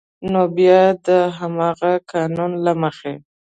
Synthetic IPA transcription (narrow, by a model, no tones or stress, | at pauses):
nobjɑd̪əɦamɑɣakɑnunlaməxe